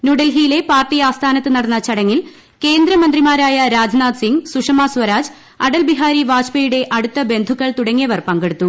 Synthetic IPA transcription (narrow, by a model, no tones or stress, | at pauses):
nuɽɐlɦijile̞paːrt̪ijaːst̪ʰaːnɐt̪ːɨnɐɽɐnːɐt͡ɕɐɽɐŋːil | ke̞ːnd̪ɾɐmɐnd̪rimaːɾaːjɐɾaːd͡ʑnaːd̪siŋɡsuʂɐmaːsʋɐɾaːd͡ʑ | ɐɽɐlbiɦaːɾiʋaːd͡ʑpɐjuɽe̞ʔɐɽut̪ːɐbe̞nd̪ʱukːɐɭt̪uɽɐŋːijɐʋɐrpɐŋɡeɽut̪ːu